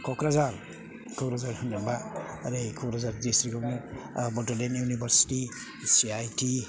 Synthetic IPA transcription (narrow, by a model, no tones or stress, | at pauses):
kʰɔkɾazal | kʰɔkɾazaɾkʰɔndanbaɾekʰɔkɾazaɾdesɾikɔbnɔbɔtɔdenjunibʱaɾsi̥ti | siajtʰi